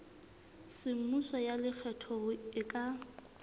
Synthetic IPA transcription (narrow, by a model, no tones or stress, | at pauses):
sɪm̩musɔjalɪk͡xʰɛtʰɔɣʊɪkʼa